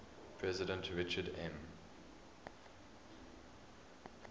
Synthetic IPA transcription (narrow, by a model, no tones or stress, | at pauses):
pʰɹɛzɪdə̃ntʰɹɪt͡ʃədɛ̃m